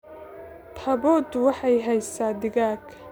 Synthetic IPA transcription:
t̪ʰɐbɔd̪wɑħɑjɦɛjsaːd̪ɪɣaːɡʰ

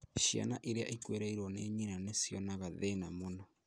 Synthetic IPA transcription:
ʃia̰naʔiɾea̰ʔikweɾɛiɾwɔneɲinanesjɔnaɣaðenamona

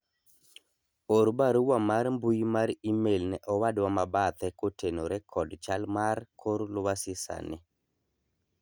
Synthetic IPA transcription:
oɾbaɾuwamaɾmbujmaɾimelnɛʔɔwadwamabat̪ɛkotenoɾɛkʰɔdt͡ʃalmarkʰoɾlʊwasɪsa̰nɪ

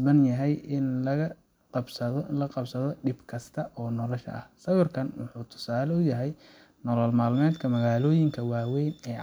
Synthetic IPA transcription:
bɐnjɐɦɛjɪnlɐɣɐ | bsɐlɐqɑbsɐðɔɖɪbkʰɐst̪ʰɐʔɔːnɔlɔʃɐ̰ʔɐ̰hsɐwɔrkʰɐnwʊ̰ħuːt̪ʰʊ̥saːlɛʊjɐɦɛj | nɔlɔlmaːlmɛːd̪kʰɐmɐɣaːlɔːjɪŋkʰɐwaːwɛjnɛː

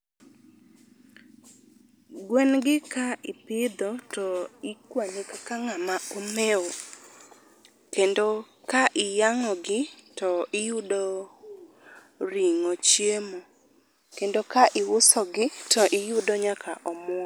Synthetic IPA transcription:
ɡwɛnɡɪkaʔɪpɪd̪ɔtɔɪkwanɪkakaŋamaɔmɛo | kendo | kaʔɪjaŋɔɡɪtɔɪjʊdɔ | ɾiŋot͡ʃjemo | kendokaʔɪwʊsɔɡɪtɔʔɪjʊdɔɲakʰaʔɔmwɔ

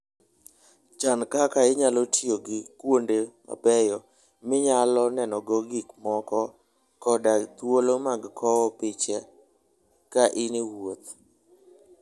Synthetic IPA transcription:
t͡ʃankakaɪɲalɔtijoɡɪkwondema̰pɛjɔ | mɪɲalɔnɛnɔɡɔɡikmɔkɔ | kɔdat̪wolomaɡkʰɔwɔpɪt͡ʃɛ | kaʔɪnewot̪̚

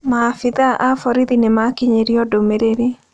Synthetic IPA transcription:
mafɪðaʔafɔɾiðinemakiɲeɾiɔdomeɾeɾe

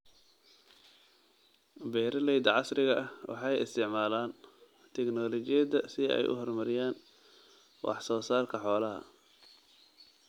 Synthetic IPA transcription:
bɛːɾɐlɛjd̪ɐʕɑsrɪɣɐʔɐwɑ̰ħɑjɪ̰st̪ʰɪʕmaːlaːn | t̪ʰɛknɔːlɔt͡ʃɪjɐd̪ɐsɪɛ̰jʔʊ̰ɦɔrmɐɾɪjaːn | wʔɑ̰ħsɔːsaːrkʰɐħɔːlɐɦɐ̰

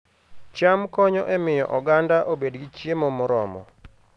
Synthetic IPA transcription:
t͡ʃamkɔɲɔʔemɪjɔ̰ʔɔɡandaʔobedɡit͡ʃjemomʊɾɔ̰mɔ̰

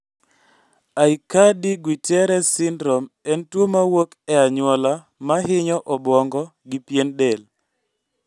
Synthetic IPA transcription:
aikadiɡwitɛɾɛsɪndɾɔm | ɛntwomawokɛaɲwɔla | maɦɪɲɔʔɔbwɔŋɡɔɡɪpjendɛl

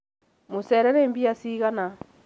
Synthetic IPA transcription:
mosɛɾɛɾembiasiːɣana

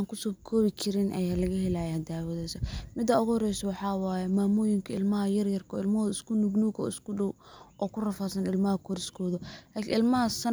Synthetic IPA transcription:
ŋkʰʊsɔːkʰɔːβɪkʰɪɾɪnʔɐ̰jaːlɐɣɐhɛlaːjɛɐd̪aːwɐðɛːjsɐmɪd̪ɐʊɣʊhɔɾɛjsɔwɑħɑːwaːjɛmaːmʊːjɪŋkʰɐɪlmɐɦɐjɐrjɐrkʰɔ̰ːɪlmɐɔːðɪskʰʊnʊɡnuːɡɔ̰ːɪskʰʊɖɔwɔːkʰʊrɐfaːsɐnɪlmɐɦɐkʰɔɾɪskʰɔːðɔlaːkʰɪɪlmɐɦɐsɐ

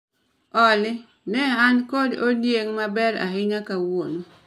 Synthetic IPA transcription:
ɔlɪ | nɛankododjeŋmabɛɾa̰ɦɪɲakawono

